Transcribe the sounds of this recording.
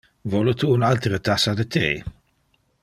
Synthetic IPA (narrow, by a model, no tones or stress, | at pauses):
vɔlət̪uːnalt̪ɾət̪asad̪ət̪ʰḛj